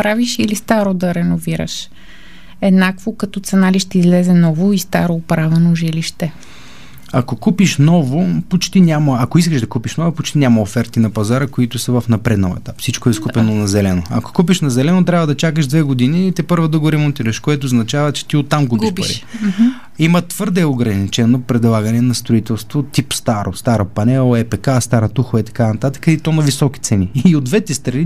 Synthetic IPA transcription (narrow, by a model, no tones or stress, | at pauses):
pɾaviʃilist̪aɾod̪ɐɾɛnoviɾə̰ʃ | ɛd̪nakvokɐt̪ɔt̪sɛnaliʃt̪ɛizlɛzɛnɔvoist̪a̰ɾoːpɾavɛnoʒiliʃt̪ɛ | ɐkokupiʃnɔvopot͡ʃt̪inʲamɐɐkois̬kəʒd̪ɐkupiʃnɔvopot͡ʃt̪inʲamɐofɛɾt̪inɐpɐzaɾəkoit̪ʊsɐvɐfnɐpɾɛd̪no̰ɛ̰t̪apfsit͡ʃkoɛskupɛnonɐzɛlɛnoɐ̰ko̥kupiʃnɐzɛlɛnot̪ɾʲabvəd̪ɐt͡ʃakəʒd̪vɛɡod̪init̪ɛpɤɾvod̪ɐɡoɾɛmont̪iɾəʃkoɛt̪ʊːznɐt͡ʃavət͡ʃɛ̥t̪iot̪ːamɡupipɐ̰ɾḭ | imət̪v̥ɤɾd̪ɛoɡɾɐnit͡ʃɛnopɾɛd̪lˠaɡənɛnɐst̪ɾoit̪ɛlˠst̪vot̪ipst̪aɾost̪aɾɐpɐnɛlˠɛpɛkast̪aɾət̪uxɐit̪ɐ̥kanɐt̪at̪ə̥kɐit̪ɔnɐvisɔk̟ʲi̥t̪sɛniːod̪vɛt̪ɛst̪ɾɐni